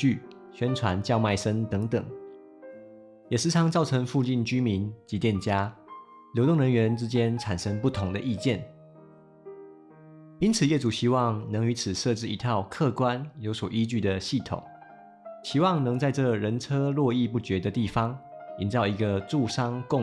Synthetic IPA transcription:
y˥˩ | ɕɥɛ˥nt͡sʰwa˧˦˥nt͡ɕjɑ˥˧ʊma˥˩ɪʂə˥nt̪ɤ˧˦˥ŋt̪ə̰˨˩˦ŋ | jɛ˨˩ʂ̩˧˥t͡sʰɑ˧˥ŋt͡sɑ˥˩ʊʈ͡ʂʰɤ˧˥ŋfu˥˧t͡ɕi˥˩nt͡ɕy˥mi˧˦nt͡ɕi˧˥t̪jɛ˥˨nt͡ɕja˥ | ljo˧˥ʊt̪ʊ˥˩ŋɻə˧˥nɥɛ˧˥nʈ͡ʂɻ̩˥t͡ɕjɛ˥nʈ͡ʂʰa˨˩nʂə˥ŋpu˥˩t̪ʰʊ˧˥ŋd̪ə˧ʔi˥˧t͡ɕjɛ˥˩n | i˥nt͡sʰɹ̩˨˩˦jɛ˨˩t͡su˨˩ɕi˥wɑ˥˩ŋnɤ˧˥ŋy˧˥t͡sʰɹ̩˨˩ʂɤ˥˧ʈ͡ʂɻ̩˥˩i˧˥t̪ʰjɑ˥˧ʊkʰɤ˥˨kwa˦njo˧˥ʊswɔ˨˩ʔi˦t͡ɕy˥˩d̪ə˩ɕi˥˩t̪ʰʊ̰˨˩˦ŋ | t͡ɕʰi˧˥wɑ˥˩ŋnɤ˧˥ŋt͡sa˥˧ɪʈ͡ʂɤ˥˩ɻə˧˥nʈ͡ʂʰɤ˥lwɔ˥˧i˥˧pu˥˩t͡ɕɥɛ˧˥d̪ə˧t̪i˥˩fɑ˥ŋi˧˥nt͡sɑ˥˩ʊi˧˥ɡə˧ʈ͡ʂu˥˧ʂɑ˥ŋkʊ˥˨

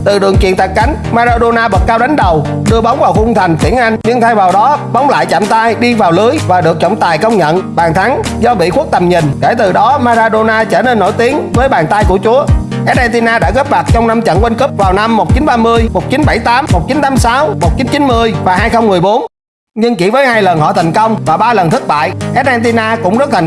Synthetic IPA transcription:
t̪ɨ˨˩ɗɨ˨˩əŋkḭ˧˨ənt̪ʰa˨˩ka˨˦jŋ̟maː˧zaː˧ɗo˧naː˧ɓə˨˩t̚kaː˧wɗa˨˦jŋ̟ɗə˨˩w | ɗɨ˧əɓa˨˦wŋ͡mvaː˨˩wxʊ˧ŋ͡mt̪ʰa˨˩jŋ̟t̪wi˧˩əŋnʔa˧jŋ̟ɲɨ˧ŋt̪ʰaː˧jvaː˨˩wɗɔ˨˦ɓɔ˨˦wŋ͡mla̰ː˧˨jt͡ɕa̰ː˧˨mt̪aː˧jɗi˧vaː˨˩wlɨ˨˦jvaː˨˩ɗɨ˨˩ək̚t͡ɕɔ̰˧˨wŋ͡mt̪aː˨˩jkə˧wŋ͡mɲə̰˧˨nɓaː˨˩ŋt̪ʰa˨˦ŋ | zɔ˧ɓḭ˧˨xu˦˥k̚t̪ə˨˩mɲi˨˩nke˧˩t̪ɨ˨˩ɗɔ˨˦maː˧zaː˧ɗo˧naː˧t͡ɕəː˧˩ne˧nːo̰˧˩jt̪i˨˦ənvəː˨˦jɓaː˨˩ŋt̪a˧jku˧˩ət͡ɕu˨˦ə | ʔɛ˦˥t̚ʔɛː˧nt̪i˧naː˧ɗa̰ː˧˥ɣəː˦˥p̚ma˨˩k̚t͡ɕɔ˧wŋ͡mna˧mt͡ɕə̰˧˨nkwə˧nkɨ˦˥p̚vaː˨˩wna˧mːo˨˩t̚t͡ɕi˨˦nɓaː˧mɨ˧əjmo˨˩t̚t͡ɕi˨˦nɓa˧˩jt̪aː˨˦mːo˨˩t̚t͡ɕi˨˦nt̪aː˨˦msaː˨˦wmo˨˩t̚t͡ɕi˨˦nt͡ɕi˨˦nmɨ˧əjvaː˨˩ɦaː˧jxə˧wŋ͡mmɨ˨˩əjɓo˨˦n | ɲɨ˧ŋki˧˩vəː˨˦jɦaː˧jlə˨˩nhɔ̰˧˨t̪ʰa˨˩jŋ̟kə˧wŋ͡mvaː˨˩ɓaː˧lə˨˩nt̪ʰɨ˦˥k̚ɓa̰ː˧˨jʔɛ˦˥t̚nɛː˧t̪i˧naː˧kʊ̰˧˥ŋ͡mzə˦˥t̚t̪ʰ

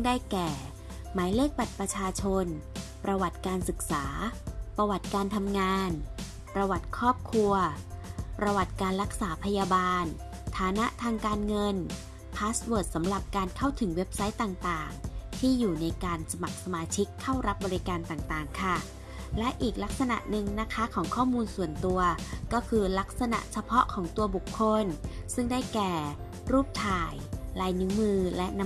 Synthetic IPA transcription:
ŋdaː˥˩jkɛː˨˩ | maː˩˦jleː˥˩k̚ba˨˩t̪̚pɾa˧t͡ɕʰaː˧t͡ɕʰo˧n | pɾa˧wa˨˩t̪̚kaː˧nsɯ˨˩k̚saː˩˦pɾa˧wa˨˩t̪̚kaː˧nt̪ʰa˧mŋaː˧n | pɾa˧wa˨˩t̪̚kʰɔː˥˩p̚kʰu˧ɐpɾa˧wa˨˩t̪̚kaː˧nɾa˦˥k̚saː˩˦pʰa˧jaː˧baː˧n | t̪ʰaː˩˦na˦˥ʔt̪ʰaː˧ŋkaː˧nŋɤ˧n | pʰaː˦˥swɤː˨˩t̪̚sa˩˦mɾa˨˩p̚kaː˧nkʰa˥˩wt̪ʰɯ˩˦ŋwe˦˥p̚sa˦˥jt̪aː˨˩ŋt̪aː˨˩ŋt̪ʰiː˥˩juː˨˩na˧jkaː˧nsa˧ma˨˩k̚sa˧maː˧t͡ɕʰi˦˥kʰːa˥˩wɾa˦˥p̚bɔː˧ɾi˦kaː˧nt̪aː˨˩ŋt̪aː˨˩ŋkʰa˥˩ | lɛ˦˥ʔiː˨˩k̚la˦˥k̚sa˧na̰˨˩ʔnɯ˨˧ŋna˦˥kʰa˦˥kʰɔː˩˦ŋkʰɔː˥˩muː˧nsu˨˩ənt̪u˧ɐkɔː˥˩kʰɯː˧la˦˥k̚sa˧na̰˨˩ʔt͡ɕʰa˧pʰɔ˦˥ʔkʰɔː˩˦ŋt̪u˧ɐbu˨˩kʰːo˧nsɯ˥˩ŋdaː˥˩jkɛː˨˩ | ɾuː˥˩p̚t̪ʰaː˨˩jlaː˧jnɯ˧˦˥mɯː˧lɛ˦˥ʔn˧˦

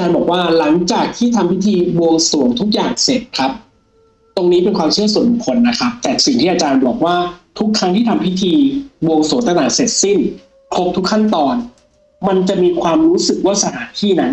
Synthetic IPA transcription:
ʔa˧t͡ɕaː˧nbɔː˨˩k̚waː˥˩la˩˦ŋt͡ɕaː˨˩k̚t̪ʰiː˥˩t̪ʰa˧mpʰi˦˥t̪ʰiː˧wo˧ŋsu˨˩˦ŋt̪ʰu˦˥k̚jaː˨˩ŋse˨˩t̪̚kʰa˦˥p̚ | t̪o˧ŋniː˦˥pe˧nkʰwaː˧mt͡ɕʰɯ˥˩su˨˩˦nu˨˩kʰo˧nːa˦˥kʰa˦˥p̚t̪ɛː˨˩si˨˩ŋt̪ʰiː˥˩ʔaː˧t͡ɕaː˧nbɔː˨˩k̚waː˥˩t̪ʰu˦˥kʰːa˦˥ŋt̪ʰiː˥˩t̪ʰa˧mpʰi˦˥t̪ʰiː˧bo˧ŋsu˨˩˦nt̪a˧naː˩˦se˨˩t̪̚si˥˩n | kʰlo˦˥p̚t̪ʰu˦˥kʰːa˥˩nt̪ɔː˧n | ma˧nt͡ɕa˨˩ʔmiː˧kʰwaː˧mɾuː˦˥sɯ˨˩k̚waː˦˥˩sa˧t̪ʰaː˩˦nt̪ʰiː˥˩na˦˥n

